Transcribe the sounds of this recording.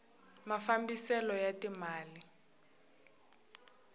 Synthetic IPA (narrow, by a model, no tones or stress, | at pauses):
mafambisɛlɔjatimaːli